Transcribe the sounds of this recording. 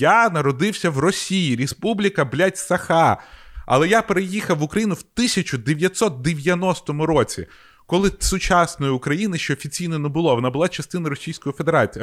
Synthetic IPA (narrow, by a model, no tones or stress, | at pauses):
janɐɾɔd̪ɪwsʲɐʋrɔsʲijiɾʲespublʲikɐblʲatʲsɐxaɐ̰lˠɛjapeɾejixɐwʊkɾɐjinʊwt̪ɪsʲɐt͡ʃʊd̪eʋʲjɐt̪ʲsɔt̪̚d̪eʋʲjɐnɔst̪ɔmʊɾɔt͡sʲḭ | kɔlˠɪsʊt͡ʃasnɔjiʊkɾɐjinɪʃt͡ʃɛːfʲit͡sʲijnɔnebʊlˠɔʋɔnabʊlˠat͡ʃɐst̪ɪnɐɾɔsʲijsʲkɔjifed̪eɾat͡sʲij